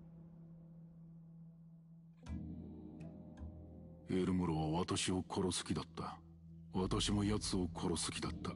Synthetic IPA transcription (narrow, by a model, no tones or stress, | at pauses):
eɾɯ̟mɯɾoβaβat̪aɕio̞kʰo̞ɾo̞sɨ̥kʲid̪at̪ːa | βat̪aɕimo̞jat͡sɨo̞kʰo̞ɾo̞sɨ̥kʲid̪at̪ːa